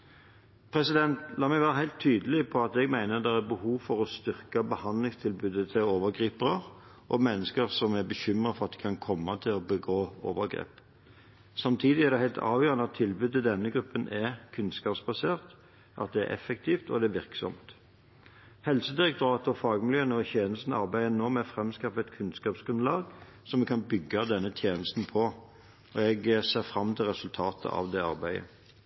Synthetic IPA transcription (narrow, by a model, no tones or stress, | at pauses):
pʰɾɛsɪd̪ɛnt̪lɑːmɛɡʋæːʁəɦæɪlt̪ʰːyːd̪əlɪpʰɔɑt̪ɛɡmæɪnəd̪ɛʁæbəhuːʋfɔɾɔst̪ʏʁkəbəhɑnd̪lɪŋst̪ʰɪlbʉːd̪ət̪ʰɪloːʋəʁɡʁiːpəʁəʁ | ʔɔmɛnːəskəʁsɔmæbəçʏmʁəfɔɾɑt̪̚d̪ɛkʰɑnkʰɔmːɑt̪ʰɪlɔbəɡoːoːʋəʁɡɾḛːp | sɑmt̪ʰiːd̪ɪæʁd̪ɛhæɪlt̪ʰɑ̰ːʋjøːʁənəɑt̪ʰːɪlbʉːd̪ːəd̪ɛnːəɡɾʉpːənʔɛkʰʉnskɑːpsbɑseːʁt̪ | ʔɑ̰t̪̚d̪ɛæ̰ʔɛ̰fːɛk̚t̪ʰiːft̪ɔ̰d̪ɛæʋɪʁksɔ̰mt̪ | hɛlsəd̪ɪʁɛk̚t̪ʊɾɑːt̪ɔfɑːɡmɪljøːnəɔçjeːnəst̪n̩ɑʁbæɪənoːmɛfʁɛmskɑfəɛt̪kʰʉnskɑːpsɡ̥ɾʉnlɑːɡ | sɔmɛkʰɑnbʏɡːɑd̪ɛnːət̪ʰjeːnəst̪n̩pʰɔ | ɔɛɡseːʁfʁɑmːt̪ʰɪlʁɛsʉlt̪ʰɑːt̪ʰə̰ʔɑ̰ʋd̪ɛɑʁbæɪə̰